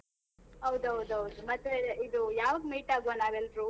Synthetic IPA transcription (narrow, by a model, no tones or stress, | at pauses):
ɐwd̪uɦɐwd̪uɦɐwd̪umɐt̪ːeid̪ujaːʋɐɡmiːʈaːɡʋanaːɡelɾu